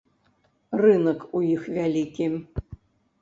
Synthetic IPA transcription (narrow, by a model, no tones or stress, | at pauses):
rɨnəkujixvʲælʲikʲim